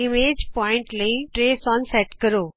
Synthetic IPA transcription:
imed͡ʑpɔɪ̃ɳʈleiʈɾesɔnsɛʈkəɾoː

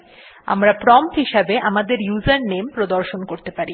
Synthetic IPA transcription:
a̰mɾapɾɔmt̪ɦiʃabeʔamad̪eɾjuzaɾnempɾod̪oɾʃonkoɾt̪epaɾi

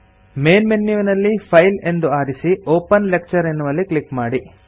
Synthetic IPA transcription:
me̞ːnmenːjuːʋnɐlːipʰɐjle̞nd̪uaːɾisioːpɐnlek̚t͡ʃɐɾenːuʋɐlːiklikmaːɽi

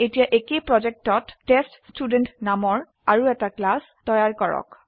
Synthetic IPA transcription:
etijaʔekepɹɔd͡ʒek̚tɔtːeststudentnamɔɹ | aɹuɛtaklas | tɔjaɹkɔɹɔ̰k

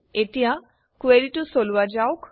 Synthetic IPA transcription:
et̪iɦa | kueɾiʈusoluwad͡ʒawk

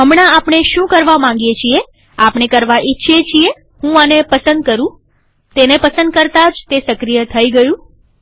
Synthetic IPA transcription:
ɦəmɳaapɳ̃eʃũkəɾʋamãŋɡijet͡ʃʰie | apɳ̃ekəɾʋaʔitːʃʰet͡ʃʰije | hũanepəsənd̪̚kəɾũ | t̪enepəsənd̪̚kəɾt̪ad͡ʒt̪esəkɾijət̪ʰəiɡəjũ

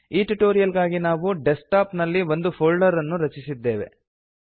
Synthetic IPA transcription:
iːʈuʈoːɾijɐlɡaːɡinaːʋuɖesʈaːpnɐlːiʋo̞nd̪upʰoːɭɖɐɾɐnːuɾɐt͡ʃisid̪ːe̞ːʋe̞̰

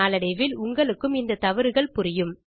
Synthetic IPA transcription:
aːlɐɽɐɪʋɪlʊŋɡɐɭɯkːɯmɪnd̪ɐt̪ɐʋɐɾɯɣɐɭpʊɾɪjɯm

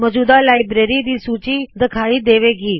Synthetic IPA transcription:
məd͡ʒuːd̪alaːjbɾeɾid̪iːsuːt͡ʃid̪əkʰaːid̪eːʋeɡiː

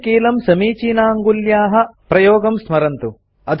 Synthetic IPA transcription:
kiːlɐmsɐmiːt͡ʃiːnaːŋɡuljaːɦɐ̆pɾɐjoːɡɐmsmɐɾɐnt̪u | ɐt̪

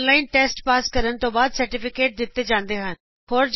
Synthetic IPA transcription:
nlaːinʈeːsʈpaːskəɾənt̪õːbaːd̪səɾʈɪpʰɪkeːʈ̚d̪ɪt̪ːed͡ʒãːnd̪eɦən | hoːɾd͡ʒ

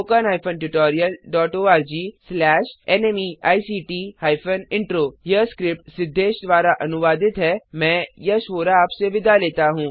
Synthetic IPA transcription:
oːkanɦaːɪjfənʈʊʈɔːɾijəlɖɔːʈoːaːɾd͡ʒiːslɛːʃɛːneːmiːa̰ːisiːʈiːhaːɪfənɪ̃ɳʈɾoːjɐskɾɪp̚ʈ̚sɪd̪ʱːeːʃd̪ʋaːɾaʔɐnʊʋaːd̪ɪt̪ɦɛmɛ̃ːjɐʃʋoːɾaaːpseʋɪd̪ʱaleːt̪aɦũː

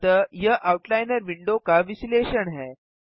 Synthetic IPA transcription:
t̪əjəʔauʈlajnəɾʋiɳɖokaʋisleɕəɳɦɛ̃

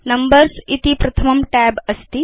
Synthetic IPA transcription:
nɐmbəɾsit̪ipɾɐt̪ʰəmɐmʈɛbəst̪i

